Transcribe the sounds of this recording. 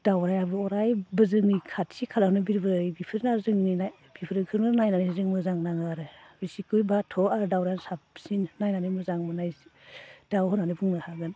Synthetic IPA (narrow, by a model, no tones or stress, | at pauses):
d̥awɾajabɯɔɾajbɯzɯŋikʰatsikʰalanɯbiɾbɯɾɯjbipʰɯɾnaɾzɯŋnia | b̥ipʰɯɾɯkʰɯɾmɯnajnanɯzɯŋmɯzaŋnaŋaɾɯbisikɯjbatʰɔaɾdawɾajnsap̚sinnajnanɯmɯzaŋmɯnaj | d̥awɦɔnanɯbuŋnahaɡɯn